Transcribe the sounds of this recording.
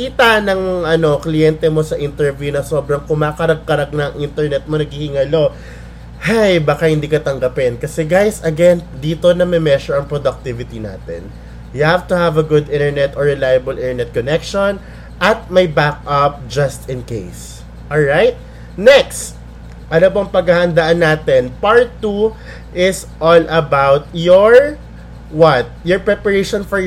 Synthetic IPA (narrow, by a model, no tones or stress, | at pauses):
kiːt̪ɐnɐŋʔɐno̞klɪjɛnt̪ɛmo̞sɐʔɪnt̪ɛɹvjunɐso̞bɾɐŋkʊmaːkɐɾɐɡ̚kɐɾɐɡ̚nɐŋʔɪnt̪ɛɹnɛt̪̚monɐɡ̚hihɪŋɐlo̞ | hajbakahɪnd̪iːkɐt̪ɐŋɡɐpɪnkɐsɛɡajsɐɡɛnd̪iːt̪o̞nɐmɛmɛʃɔɹɐŋpɾod̪ɐk̚t̪ivɪt̪ina̰ːt̪ɛ̰n | juhaft̪ʊhavɐɡʊd̪ʔɪ̃nt̪ɛɹnɛt̪ɔɹɛlajɐbɐlʔɪ̃nɛɹnɛt̪̚konɛkʃon | ʔɐt̪̚mɐjbak̚ʔɐp̚d͡ʒɐst̪ɪ̃nkejs | ʔɔlɹajt̪̚ | nɛkst̪̚ | ʔɐnobɐŋpɐɡahɐnd̪aʔɐnːaːt̪ɛnpaɹt̪ːu | ʔɪsʔɔlʔɐbawt̪̚jɔɹ | wɐt̪̚jɔɹpɹɛpɐɹejʃɔnfɔ